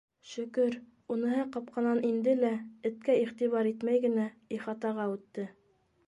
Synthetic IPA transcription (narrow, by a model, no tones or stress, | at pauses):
ʃɵ̆kɵɾ | unɤ̆hɤqɑp̚qɑnɑnʔind̪ɘlæɘ̆t̪kæiχt̪iβɑɾit̪mæjɡɘ̆næiχɑt̪ɑʁɑʉt̪ːɘ